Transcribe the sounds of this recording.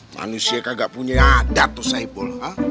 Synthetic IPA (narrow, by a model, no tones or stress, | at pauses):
ma̰nusiakaɡaʔpuɲaadat̪ːusaibɔla